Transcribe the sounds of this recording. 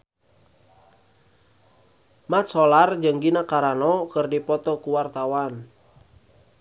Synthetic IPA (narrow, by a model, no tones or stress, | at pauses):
mat̪sɔlard͡ʒɨŋɡinakaɾanɔkɨrdipɔt̪ɔkuwart̪awan